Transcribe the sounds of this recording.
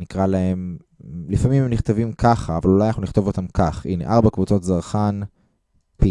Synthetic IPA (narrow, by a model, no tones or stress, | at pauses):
nikʁalae̞m | lifamimemniχt̪avimkʰaχaːvalulajnaχnuniχt̪o̞vo̞t̪amkʰaχinḛʔaʁbakvut͡so̞t̪zaʁχan | pi